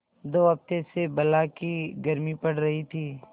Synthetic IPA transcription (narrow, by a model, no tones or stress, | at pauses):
d̪oːɐp̚t̪esebɐlakiɡɐɾmipɐɽ̤ɾɐɦit̪ʰiː